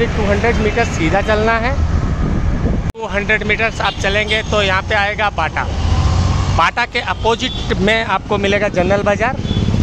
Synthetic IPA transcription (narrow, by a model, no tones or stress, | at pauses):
iʈuːɦə̃ɳɖɾeɖmiːʈəɾssiːd̪ʱat͡ʃɐlnaɦɛ | ʈuːɦə̃ɳɖɾeɖmiːʈəɾsaːp̚t͡ʃɐlẽːŋɡet̪ojɐɦãpeaːeːɡabaːʈa̰ | baːʈakeʔɐpoːd͡ʒɪʈmẽaːp̚komɪleːɡad͡ʒənːəlbaːd͡ʒaːɾ